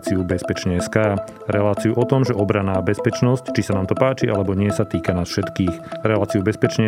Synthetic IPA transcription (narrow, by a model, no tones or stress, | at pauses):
t͡siubɛspɛt͡ʃɲɛɛska | ɾɛlaːt͡siuʔɔt̪ɔmʒɛʔɔbɾanaːbɛspɛt͡ʃnɔsct͡ʃisanaːmt̪ɔpaːt͡ʃiʔa̰lɛbɔɲɪɛsat̪iːkanaːsfʃɛt̪kiːxɾɛlaːt͡siubɛspɛt͡ʃɲɛ